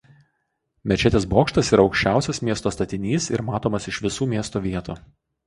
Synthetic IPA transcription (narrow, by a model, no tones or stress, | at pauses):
mʲɛt͡ʃʲɛt̪ʲeːsboːkʃt̪ɐsiːɾɐɒʊkʃʲt͡ʃʲæˑʊsʲɛsmʲiɛst̪oːst̪ɐt̪ʲɪnʲiːsɪ̰ɾmɑːt̪oːmɐsɪʃʋʲɪsuːmʲiɛst̪oːʋʲiɛt̪uː